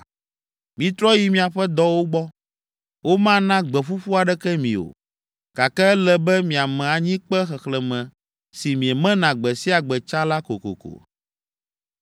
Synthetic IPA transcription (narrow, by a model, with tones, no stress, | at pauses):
mĩ˨t̪ɾɔ˦ji˦mĩ˨a˨ɸɛ˦d̪ɔ˦wo˦ɡ͡bɔ˦ | wo˦mã˦nã˦ɡ͡bɛ˨ɸu˦ɸu˦a˨ɖɛ˦kɛ˦mḭ̃˨o̰˨ | ka˨kɛ˦ɛ˦lɛ˨bɛ˦mĩ˨a˨mɛ̃˨a˨ɲĩ˦k͡pɛ˦xɛ˨xlɛ˨mɛ̃˨ | si˨mĩ˨ɛ˨mɛ̃˦nã˨ɡ͡bɛ˨si˦a˨ɡ͡bɛ˨t͡ʃa˦la˦ko˨ko̰˨ko̰˨